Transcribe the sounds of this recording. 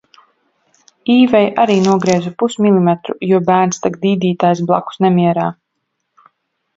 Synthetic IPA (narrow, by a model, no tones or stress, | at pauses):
iːvɛjʔaɾiːnuɔɡɾiɛzupusmilimɛt̪ɾṵjuɔbæːɾnst̪akd̪iːd̪iːt̪aːjsblˠa̰ku̥snɛmiɛɾaː